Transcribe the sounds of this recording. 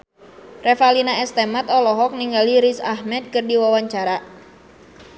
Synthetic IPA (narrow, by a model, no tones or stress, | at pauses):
rɛfalinaɛst̪ɛmat̪ɔlɔɦɔk̚niŋɡaliɾisaɦmɛt̪̚kɨrdiwawaɲt͡ʃaɾa